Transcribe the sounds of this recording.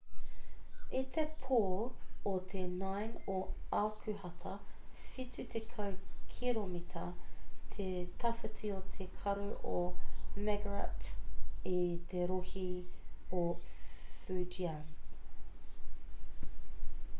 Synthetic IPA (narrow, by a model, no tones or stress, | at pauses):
it̪ʰepʰoːot̪ʰenɐjnoɑːkʰʉhɐt̪ʰɐfitʉt̪ʰekʰɐwkʰiɾomit̪ʰɐt̪ʰet̪ʰɐfɐtʰiot̪ʰekʰɐɾʉʔomɛɡɐɹɐ̰tit̪ʰeɾohio | fʉːd͡ʒiɐn